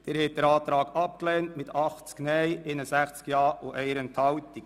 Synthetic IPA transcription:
d̥ɪɾhɛt̚d̥əɾɑːt̪ɾɑːɡɑp̚klɛːntmɪtʰɑχt͡sknɛjɪnəsæχt͡skjɑːuʔɛɪɾənt̪ʰhɑwt̪ik

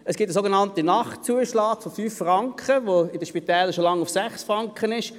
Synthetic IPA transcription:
əsɡ̥iptəsoɡenɑntinɑχt͡suəʃlɑːɡ̥fofyːfːrɑŋkχəʋoɪdəʃpit̪ɛːləʃolɑŋːufsæχsfʁɑŋkχənɪʃ

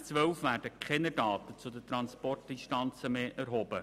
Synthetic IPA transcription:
t͡sʋœwfʋæːɾdəkʰχɛnədɑːt̪ət͡sʊd̪ətɾɑnspɔrt̚dinʃtɑnt͡səmeːʔɛrɦɔːbə

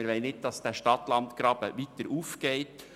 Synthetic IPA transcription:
ɪɾʋɛɪnɪt̚d̥ɑsd̥æːʃtɑt̪lɑnt̪kɾɑːb̥əʋit̪əɾʔuːfɡ̥ɛɪt

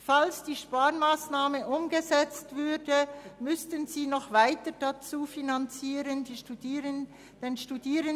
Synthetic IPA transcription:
falsd̥iːʃpaːʁmaːsnaːməʔʊmɡəzɛt͡stv̥ʏdəmʏstənziːnɔχvaɪtəd̥at͡suːfinant͡siːɾəndi | d̥enʃtudiːɾən

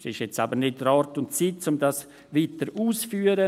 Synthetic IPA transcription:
sɪʃjɛt͡stabəɾnɪtəɾɑːɾtʊntt͡siːtt͡sʊmdɑs | ʋiːtəɾuːsfyːəɾə

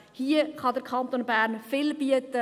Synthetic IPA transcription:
hiəχɑdəɾkʰɑnt̪onbæːɾnfɪlbiətə

